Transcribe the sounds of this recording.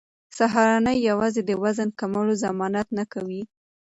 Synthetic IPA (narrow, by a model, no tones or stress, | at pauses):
saɦɑɾɑnəjːawɑzed̪əwazankamalozamɑnat̪nakawi